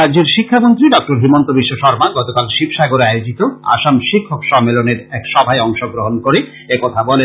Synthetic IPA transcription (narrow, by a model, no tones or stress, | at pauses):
ad͡ʑeɾʃikʰːamont̪ɾiɖɔk̚ʈoɾɦimont̪obiʃːoʃɔɾmaɡɔt̪okalʃibʃaɡoɾeajod͡ʑit̪oa̰ʃamʃikʰːokʃɔmːeloneɾɛkʃɔbʱaeɔŋʃoɡɾoɦonkoɾe | ekɔt̪ʰabɔle